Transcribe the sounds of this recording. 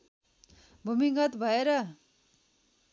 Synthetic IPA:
bʱumiŋɡʌt̪bʱʌeɾʌ

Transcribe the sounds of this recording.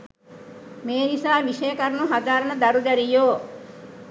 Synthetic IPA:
meːnisaːʋiʃəjəkɐɾnuɦad̪aːɾənəd̪ɐɾud̪æɾijoː

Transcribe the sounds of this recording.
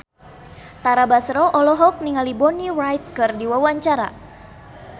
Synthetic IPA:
t̪aɾabasɾɔʔɔlɔɦɔk̚niŋalibɔnirajt̪̚kɨrdiwawaɲt͡ʃaɾa̰

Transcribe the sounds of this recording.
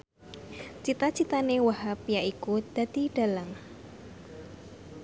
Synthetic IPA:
t͡ʃit̪at͡ʃit̪anewaɦapijaʔikud̪̥a̤d̪̥i̤ɖ̥a̤laŋ

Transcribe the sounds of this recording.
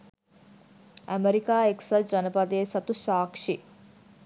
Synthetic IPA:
æmeɾikaːeksɐd͡ʒɐnəpad̪eːsɐt̪usaːkʂi

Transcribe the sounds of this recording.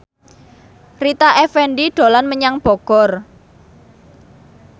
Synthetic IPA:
rit̪aʔɛfɛnɖiɖ̥o̤lanməɲaŋb̥ɔ̤ɡ̥ɔr

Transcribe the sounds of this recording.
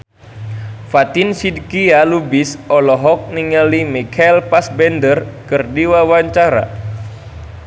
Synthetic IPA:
fat̪insidkialubɪsɔlɔɦɔk̚niŋalimikʰailpasbɛndərkɨrdiwawaɲt͡ʃaɾa̰

